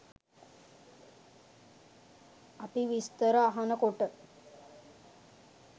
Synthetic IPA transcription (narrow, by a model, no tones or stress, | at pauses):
apiʋist̪əɾəaɦanəkoʈə